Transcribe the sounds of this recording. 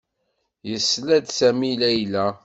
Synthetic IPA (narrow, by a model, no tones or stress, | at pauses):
jəsːlæd̪sæmilæjlæ